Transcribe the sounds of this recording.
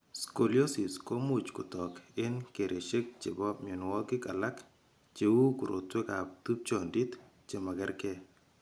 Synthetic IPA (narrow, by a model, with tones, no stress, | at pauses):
sko˨ljo˦si˨sko˦mu˦t͡ʃkʊ˨tɔ˨kɪ˦nke˨ɾʔe˨ʃe˦k̚t͡ʃɪ˨bɔ˦mjo˨n˨wɔ˦kɪ˦ka˨la˦k | t͡ʃe˦wu˦ku˨ɾo̰˨twe˦ka˨p̚t̪u˦p̚t͡ʃɔ˨ndi˦t̪ | t͡ʃe˨ma˨ɡɛ˦ɾkɛ˦